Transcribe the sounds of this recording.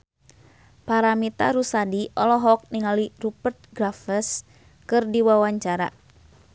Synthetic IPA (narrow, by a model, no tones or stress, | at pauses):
paɾamit̪a̰ɾusadiʔɔlɔɦɔk̚niŋalirupərt̪̚ɡɾafəs | kɨrdiwawaɲt͡ʃaɾa̰